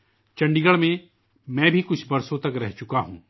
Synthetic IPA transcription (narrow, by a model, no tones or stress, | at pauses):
t͡ʃɐ̃ɳɖiɡəɭmẽ | mɛ̃ːbʱikʊt͡ʃʰbɐɾsõt̪ɐkɾɛɦt͡ʃʊkaɦũː